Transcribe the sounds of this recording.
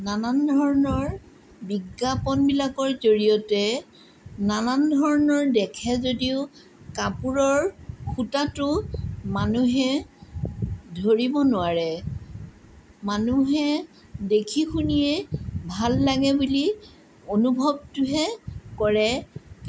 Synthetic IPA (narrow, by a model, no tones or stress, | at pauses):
nanandʱɔɹɔnɔɹ | biɡːapɔnbilakɔɹzoɹijɔtɛ | nanandʱɔɹɔnɔɹdɛkʰɛzodiʊ | kapuɹɔɹxutatʊmanuɦɛ | dʱoɹibɔnʊaɹɛ | manuɦɛ | dekʰixunijɛbʱalːaɡɛbuli | onubʱɔb̚tʊɦɛkɔɹɛ